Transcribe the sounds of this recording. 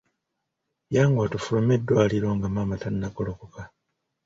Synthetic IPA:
jaːŋɡwaːtufulome̞dwaːliɾo̞ːŋɡamaːmatanːakolokoka

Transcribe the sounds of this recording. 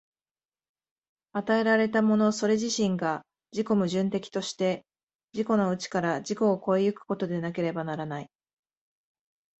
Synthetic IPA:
at̪ae̞ɾaɾe̞t̪amo̞no̞so̞ɾe̞ʑiɕĩŋɡa | d͡ʑiko̞mɯ̟ʑɨ̃nt̪e̞kʲi̥t̪o̞ɕi̥t̪e̞ | d͡ʑiko̞no̞ɯ̟t͡ɕi̥kaɾad͡ʑiko̞ːko̞ejɯ̟kɯ̟̥ko̞t̪o̞d̪e̞nak̬e̞ɾe̞banaɾanai

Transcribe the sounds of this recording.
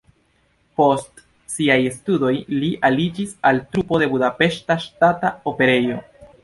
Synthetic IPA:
po̞st | siajestudo̞jliʔalid͡ʒisaltɾupo̞de̞budape̞ʃtaʃtataope̞ɾe̞jo̞

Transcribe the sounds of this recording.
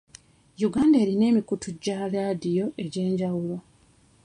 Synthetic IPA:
juɡaːndae̞ɾine̞ːmikutʰuɟaːlaːdijo̞ʔe̞ɟe̞ːɲɟawulo̞

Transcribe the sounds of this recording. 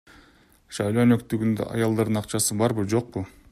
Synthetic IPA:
ʃɑjlˠo̞nøkt̪yɡʲynd̪̰ɑ̰jɑlˠd̪ɑɾd̪ɯnɑqt͡ʃɑsɯbɑɾbɨd͡ʒo̞q̚pʊ

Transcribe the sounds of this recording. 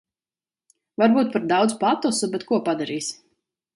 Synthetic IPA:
vaɾbuːt̪̚paɾd̪awd̪zpat̪ɔsubɛt̪kuɔpad̪aɾiːs

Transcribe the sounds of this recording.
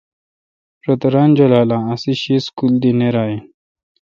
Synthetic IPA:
ɾot̪ɐɾaːnd͡ʑolaːlãːɐsiɕiskuld̪ineɾaːi

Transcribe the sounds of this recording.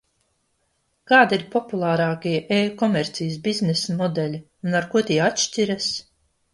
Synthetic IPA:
kaːd̪iɾpɔpulˠaːɾaːkiɛʔeːkɔmɛɾt̪sijəs̬biznɛsmɔd̪ɛlʲi | unaɾkuɔt̪iɛat̪ʃtʲiɾas

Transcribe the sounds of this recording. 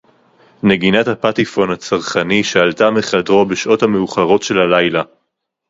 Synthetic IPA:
ne̞ɡinathapatifo̞nhat͡saʁχaniʃaaltameχadʁo̞beʃʔo̞thameuχaʁo̞tʃe̞lalajla

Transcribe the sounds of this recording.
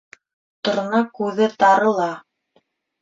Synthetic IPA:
t̪ŏɾnɑkʉðɘt̪ɑɾɤ̆lˠɑ

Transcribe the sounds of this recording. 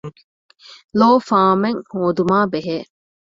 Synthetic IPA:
loːfaːmeŋhoːd̪umaːbeɦeː

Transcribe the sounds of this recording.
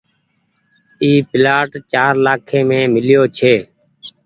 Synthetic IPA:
iːpɪlaːʈt͡ʃaːɾlaːkʰẽːmẽːmɪljoːt͡ʃʰeː

